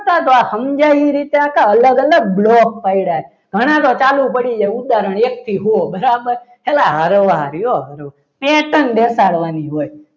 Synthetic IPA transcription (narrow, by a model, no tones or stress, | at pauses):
ət̪at̪oahəmd͡ʒaiɾit̪eakʰaələɡələɡ̚blokpaiɽaɦe | ɡ̥ʱəɽ̃ãt̪ot͡ʃalupəɽid͡ʒajud̪aɾəɳ̃ek̚t̪ʰiɦuobəɾabəɾ | ɦelaɦəɾʋaɾjoɦəɾʋ | peʈənd̪esaɽʋaniɦoj